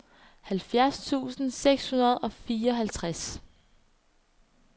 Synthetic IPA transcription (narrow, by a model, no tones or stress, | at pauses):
hælfjæɐst͡sʰṵːsn̩seɡ̥shunɐð̞̩ˠɒ̽fiːɐɒ̽ɦælt͡sʰʁas